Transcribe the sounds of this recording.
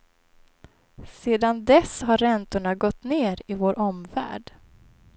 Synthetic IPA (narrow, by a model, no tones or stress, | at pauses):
seːd̪and̪ɛsɦaɾɾɛnt̪ʊɳaɡɔt̪ːneːɾɪvoːɾʔɔmvæ̰ːɖ